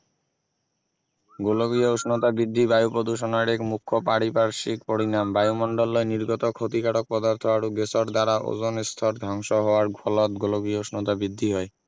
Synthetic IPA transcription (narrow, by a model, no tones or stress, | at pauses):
ɡoloɡiooʃnot̪abɾid̪ʱːibajupɾod̪uʃɔnaɾekmukʰːopaɽipaɾʃikpoɽinambajumɔɳɖolːɔeniɾɡot̪ɔkʰːot̪ikaʈok̚pɔd̪aɾt̪ʰɔaɾuɡesɔɾd̪aɾaʔo̰zonest̪ʰɔɾd̪ʱaŋʃoɦɔoaɾɡʱɔlɔt̪̚ɡoloɡioosnot̪abɾid̪ʱːiɦɔe